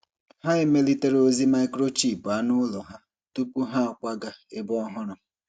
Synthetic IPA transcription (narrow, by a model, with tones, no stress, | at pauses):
ha˦ɪ˦me˦li˦te˦ɾo˦zi˦ma˦ɪ˦kɾo˦t͡ʃi˨pʊ˨a˦nʊ˦lɔ˨ɦa˦ | tu˦pu˦ɦa˦ɔ˨kʷa˦ɡa˨e˦bɔ˦ɔ˦ɦʊ˦ɾʊ˨